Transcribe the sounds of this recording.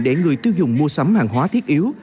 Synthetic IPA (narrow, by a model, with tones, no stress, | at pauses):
ɗɛ˧˩ŋɨ˨˩əjt̪i˧əwzʊ˨˩ŋ͡mmu˧əsə˨˦mhaː˨˩ŋɦwaː˨˦t̪ʰi˦˥ət̚ʔi˨˦əw